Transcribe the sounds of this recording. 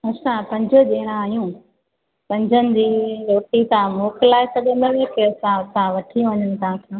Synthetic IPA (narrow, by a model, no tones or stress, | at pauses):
ɐsãpɐ̃ɲd͡ʑʱə̆d͡ʑeːɽ̃ãaːɦijũː | pɐ̃ɲd͡ʑʱənɪ̆d͡ʑiːɾoːʈit̪ãmoːkɪlaːɪsɐɠemeʋeːkeɐsãɐsãʋɐʈʰĩʋɐɲənɪ̆t̪ʰãːkʰãː